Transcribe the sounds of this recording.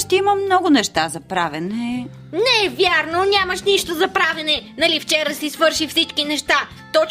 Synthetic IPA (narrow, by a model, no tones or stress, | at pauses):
ʃt̪ɛiməmnɔɡʊnɛʃt̪azɐpɾavɛnɛ | nɛvʲjaɾnonʲaməʃniʃt̪ozɐpɾavɛnɛnɐlift͡ʃɛɾəsisvɤɾʃifsit͡ʃkinɛʃt̪a | t̪ɔ